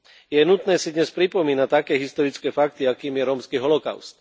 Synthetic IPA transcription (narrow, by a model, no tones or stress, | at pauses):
jɛnut̪nɛːsid̪ɲɛspɾipɔmiːnat̪akɛːɦist̪ɔɾit͡skɛːfak̚t̪iakiːmjɛɾɔːmskiːɦɔlɔka̰ʊst̪̚